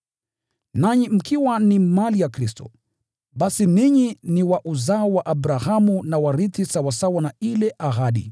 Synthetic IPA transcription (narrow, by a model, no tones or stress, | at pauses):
naɲim̩kiwanimalijakɾistɔ̰ | ɓasiniɲiniwaʔuzaɔwaʔaɓɾahamunawaɾiθisawasawanailɛʔaɦaɗḭ